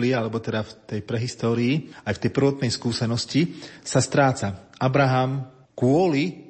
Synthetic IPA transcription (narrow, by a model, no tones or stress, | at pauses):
lialɛbɔt̪ɛd̪aft̪ɛjpɾɛɦist̪ɔːɾiːajft̪ɛjpr̩ʋɔt̪nɛjskuːsɛnɔscisast̪ɾaːt͡saʔabɾaɦam | kʊɔli